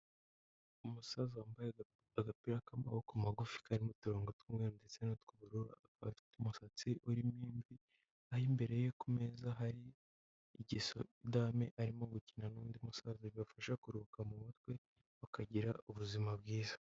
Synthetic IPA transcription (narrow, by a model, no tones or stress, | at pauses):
umusazoambaje | aɡapiɾakama̰hokumaɡufi̥kaɾimotuɾoːŋɡotkumŋeɾndet͡senatkuβuɾuɾa̰kaattumusat͡siʔuɾimiːnvi | ahimbe̞ɾe̞jokume̞zaɦaɾiː | ɟiso̞̰idame̞ʔaɾimo̞ɡucinanuːndiumusazoβiβafaʃakuɾukamuβut̚we̞ | βakaɟiɾauβuzimabɡiːzḁ